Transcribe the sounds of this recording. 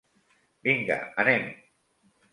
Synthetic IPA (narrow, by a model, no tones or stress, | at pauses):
biŋɡa̰anem